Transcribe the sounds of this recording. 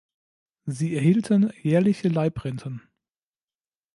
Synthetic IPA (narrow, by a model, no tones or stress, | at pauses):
ziːɛɐhiːltʰənjɛːɐlɪçəlaɪpʁɛntʰən